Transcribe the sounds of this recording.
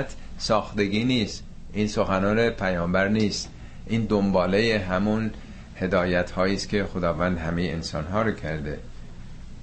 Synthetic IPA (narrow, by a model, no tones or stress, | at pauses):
t̪ʰ | sɒːxt̪e̞ɡiːniːst̪ | ʔiːnsoxænɒːne̞pʰæjɒːmbæɾniːst̪ | ʔiːnd̪ombɒːlejeɦæmun | he̞d̪ɒːjæt̪hɒːjiːst̪kʲʰe̞xod̪ɒːvænd̪hæmejeensɒ̰ːnɦɒːɾocʰæɾd̪ḛ